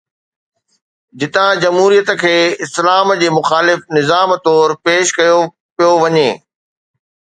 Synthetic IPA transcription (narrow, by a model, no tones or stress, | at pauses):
d͡ʑɪt̪ãd͡ʑɐmɦuːɾijət̪ə̆kʰeːɪslaːmd͡ʑeːmʊxaːlɪfnɪzaːmt̪ɔːɾpeːʃkɐjo | pijoʋɐɲeː